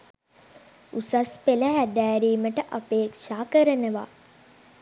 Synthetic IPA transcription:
usaspeləɦæd̪æːɾiːməʈəʔapeːkʂaːkəɾənəʋa̰ː

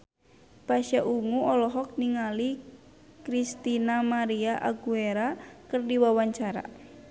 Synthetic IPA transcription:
paʃaʔuŋuɔlɔɦɔk̚niŋali | kɾist̪inamaɾiaʔa̰ɡueɾakɨrdiwawaɲt͡ʃaɾa̰

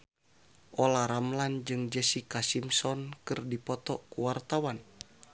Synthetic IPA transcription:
ʔɔlaɾamland͡ʒɨŋd͡ʒɛsikasimsɔnkɨrdipɔt̪ɔkuwart̪awan

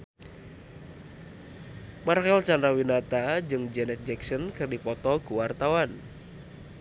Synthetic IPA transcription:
marxɛlt͡ʃanɾawinat̪ad͡ʒɨŋd͡ʒɛnɛt̪̚d͡ʒɛksɔnkɨrdipɔt̪ɔkuwart̪awan

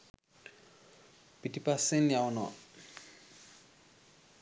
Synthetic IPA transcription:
pitʼipʼasɪn̩jaʊna̰

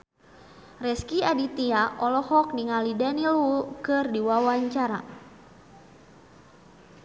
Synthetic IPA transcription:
rɛskiadit̪iaʔɔlɔhɔk̚niŋalidɛnilukɨrdiwawaɲt͡ʃaɾa

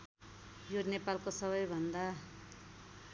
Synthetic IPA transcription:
jonepalkosʌβʌjbʱʌnd̪a

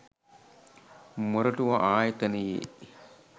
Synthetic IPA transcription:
moɾɐʈuʋɐʔaːjɐt̪ɐnejḛ

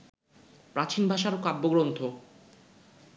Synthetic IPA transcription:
pɾat͡ɕinbʱaʃaɾokabːoɡɾont̪ʰo

